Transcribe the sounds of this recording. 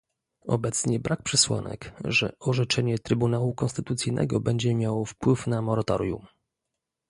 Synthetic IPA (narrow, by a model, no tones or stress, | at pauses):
ɔ̰bɛt̪sɲɛbɾʔak̚pʂɛswa̰nɛ̰kʐɛ̰ɔʐɛt͡ʂɛɲɛt̪ɾɘbunawukɔnst̪ɘt̪ut̪sɘjnʔɛ̰ɡɔbɛɲd͡ʑɛmʲjawɔfpwɘfnamɔɾat̪ɔ̰ɾʲjṵm